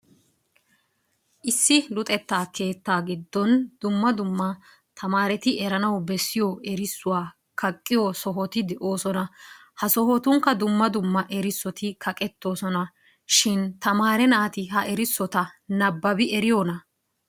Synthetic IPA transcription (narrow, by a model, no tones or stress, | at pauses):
ʔɪsːɪlʊt̪ʼɛt̪ːaːke̞ːt̪ːaːɡɪd̪ːɔnd̪̥ʊmːɐd̪ʊmːɐ | t̪ʰɐmaːɾɛt̪ɪʔɛɾɐnɐwbɛsːɪjɔɛɾɪsːʊwaː | kʰɐkʼːɪjɔsɔɦɔt̪ɪd̪ɛʔo̞ːsɔnɐ | hɐsɔɦɔt̪ʊŋkːɐd̪ʊmːɐd̪ʊmːɐʔɛɾɪsːɔt̪ɪkʰɐkʼɛt̪ːo̞ːsɔnɐ | ʃɪnt̪ɐmaːɾɛnɐːt̪ɪɦɐʔɛɾɪsːɔt̪ɐnɐbːɐbɪɛɾɪjoːnɐ